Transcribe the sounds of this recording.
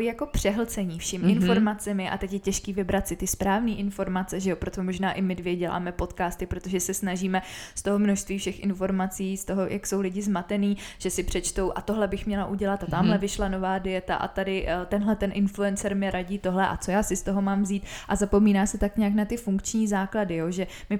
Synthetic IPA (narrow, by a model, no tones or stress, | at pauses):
ijako̞pr̥ɛɦl̩t͡sɛɲiːfʃɪmɪnfo̞ɾmat͡sɛmɪʔa̰t̪ɛcjɛcɛʃkiːvɪbɾat̪sɪt̪ɪspɾaːvniːʔɪnfo̞ɾmat͡sɛʒɛopɾot̪omo̞ʒnaːʔɪmɪdvjɛɟɛla̰ːmɛpo̞t̪kaːst̪ɪpɾo̞t̪o̞ʒɛsɛsnaʒiːmɛst̪o̞ɦo̞mnoʃst̪viːfʃɛxʔɪ̰nfo̞ɾmat͡siːst̪o̞ɦo̞jʔa̰ksowlɪɟɪzmat̪ɛniːʒ̥ɛsɪpr̝̥ɛt͡ʃt̪o̞wʔat̪o̞ɦlɛbɪxmɲɛlaʔuɟɛlat̪at̪aːmɦlɛvɪʃlano̞vaːdɪjɛt̪a̰ʔa̰t̪adɪt̪ɛnɦlɛt̪ɛnʔɪnfluɛnt͡sɛɾmɪɾaɟiːt̪oɦlɛʔa̰t͡so̞jaːsɪst̪o̞ɦo̞maːmvziːt̪ʔazapo̞miːnaːsɪt̪akɲɛaknat̪ɪfuŋkt͡ʃɲiːzaːkladɪjo̞ʒɛmɪ